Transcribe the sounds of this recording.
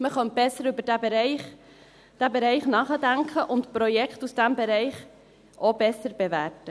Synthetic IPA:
məχœnt̚b̥ɛsːəɾʏbəɾdæbeɾɛɪχ | d̥æbeɾɛɪχnɑːχədæŋkʰəʔʊntpɾɔjɛkχtusd̥æmbeɾɛɪχ | ʔob̥ɛsəɾb̥evæɾtə

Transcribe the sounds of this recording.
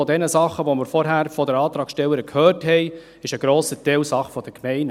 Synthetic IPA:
ɔdɛnəsɑχəʋoməɾfɔɾɦæːɾfɔdəɾɑːt̪ɾɑːkʃtɛlːəɾəkʰhøːrthɛɪ | ɪʃəɡ̥ɾoːsətɛlsɑχfɔd̥əkmɛɪn

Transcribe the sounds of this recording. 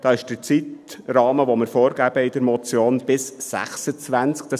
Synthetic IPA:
d̥ɑːɪʃd̥ət͡sitrɑːməʋomɪɾfoːɾɡæbəɪd̥əɾmɔt͡sjoːnb̥ɪsːæ̰χsət͡sʋænt͡skd̥ɑ

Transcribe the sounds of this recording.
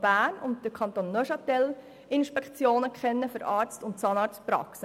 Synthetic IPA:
b̥æːnʊnt̚dəkʰɑnt̪oːnːœʃɑtɛl | ɪnʃpɛkt͡sjoːnəkχɛnːəfʏɾɑːɾt͡stʊntsɑnɑːɾstpɾɑ̰ksə

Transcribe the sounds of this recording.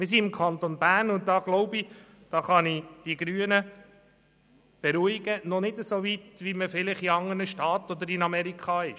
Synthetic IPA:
mɪɾs̬iɪmkʰɑnt̪onbæːɾnʊnt̚dɑːɡ̥lɔʊbi | d̥ɑːχɑnid̥iɡ̥ɾyːənə | b̥ɛɾuiɡ̥ənɔnɪdəsoʋit̪ʋiməfɪlɪχiɑŋənəʃtɑːt̪ɔd̪əɾɪnɑmɛɾikχɑɪʃ

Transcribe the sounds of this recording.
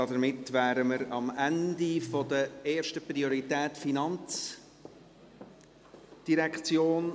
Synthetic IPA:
ɑdəɾmɪtvæːɾəməɾɑmændifɔdəeːɾʃtəpɾioɾitɛːtfinɑnt͡s | d̥iɾɛkt͡sjoːn

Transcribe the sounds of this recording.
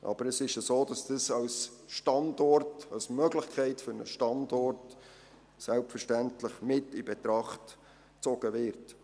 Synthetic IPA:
ʔɑ̰b̥əɾəsɪʃəsoːd̥ɑsd̥əsɑls | ʃtɑndɔrtɑlsmœɡlɪχkʰɛɪtfʏɾnə̰ʃtɑndɔrt | sɛlpfərʃtæntləχmɪtibɛtɾɑχt | t͡sɔɡ̥əʋɪrt

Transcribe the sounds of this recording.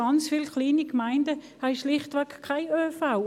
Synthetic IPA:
ɑnt͡sfiːlkliːnikmaɪndəhaɪʃlɪχtʋɛkkʰːaɪøːfaʊ

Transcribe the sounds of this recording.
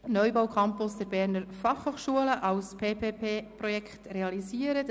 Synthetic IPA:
nœjbawkʰɑmpʊsd̥ɛɾbɛːɾnəɾfɑχhoːχʃuələʔɑlspʰeːpʰeːpʰeːpɾɔjɛkχtreɑlisiːəɾət

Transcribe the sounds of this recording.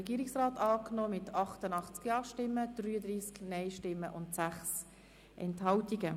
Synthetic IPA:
əɛɡiːɾiksʁɑːtɑːknoːmɪtʰɑχtənɑχt͡skjɑːʃtɪmːəd̥ryːəd̪riːsknɛɪʃtɪmːəʔʊntsæχs | ʔɛ̰nthɑltiɡə

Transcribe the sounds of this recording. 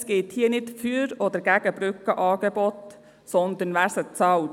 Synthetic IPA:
sɡ̥eːt̪hiːənɪtfyɾɔd̪əɾɡ̥æɡ̥əbɾʏkəʔɑːɡ̥ɛbɔt̪ | sɔnd̪ənʋæːɾsət͡sɑl

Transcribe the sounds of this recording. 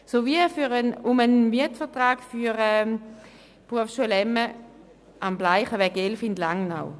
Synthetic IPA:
sovifyʁənumənmiɐtfəɐtʁaːɡfyʁɛ | pʁuəfsʃuəlɛmːə | ʔamblaɪχəʋɛɡelfindlaŋna̰w

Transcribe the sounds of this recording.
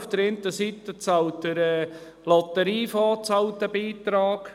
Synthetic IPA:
fd̥əɾɪnt̪əsit̪ət͡sɑwtəɾɛː | lɔt̪əɾiːfɑːt͡sɑwt̪əbiːt̪ɾɑːɡ

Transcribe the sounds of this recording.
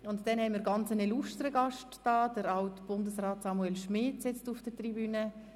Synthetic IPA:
ʊntd̥ɛnhɛməːɾɡɑnt͡sənɛluʃtəɾəɡɑʃtː | aːd̥əɾawtb̥ʊndəsraːtsɑmuɛlʃmɪːtsɪt͡stufd̥ətribyːnə

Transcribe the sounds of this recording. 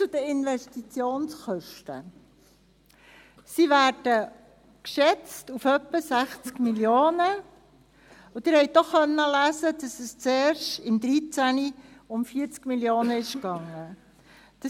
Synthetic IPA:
t͡sud̥̪əɪnvɛstit͡sjoːnsχœʃtə̰ | siʋæːɾd̥ə | kʃɛt͡stufœpːəsæχt͡skmiljoːnə | ʊd̪ɪɾhɛɪj̚dɔχːœnːəlæːsədɑsəst͡seːɾʃtɪmd̪ɾit͡sæniʊmfiːt͡skmiljoːnəɪʃkɑŋːə | d̥ɑ

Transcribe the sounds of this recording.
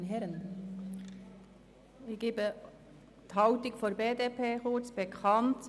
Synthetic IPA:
nɦɛɾən | ɪçɡ̥eːbə | t̪hɑʊtɪkfoɾbeːdepʰeːxʊɹt͡sb̥ekʰɑnt

